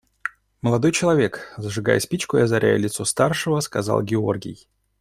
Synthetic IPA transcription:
məlˠɐd̪o̞jt͡ɕɪlˠɐvʲe̞kzəʐɨɡa̰jəsʲpʲit͡ɕkʊɐzɐɾʲæ̰jə̰lʲɪt̪sost̪arʂɨvəskaza̰lˠɡʲɪo̞̰rɡʲɪ̰j

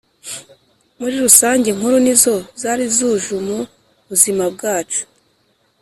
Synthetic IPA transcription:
muɾiɾusaːɲɟe̞ŋ̥huɾunizo̞zaːɾizuːʒumu | βuzimab̚ɡaːt͡ʃu̥

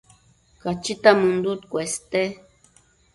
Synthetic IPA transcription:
kat͡ʃit̪amũnd̪ut̪kʷest̪e

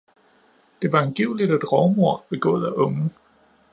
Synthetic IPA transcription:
d̥e̝ʋɑ̈e̝nɡ̥iʊ̰lid̥ed̥ʁɒʊmoɐ̰b̥e̝ɡ̥ɔ̰̽ːð̩ˠæʔɔ̽ŋə

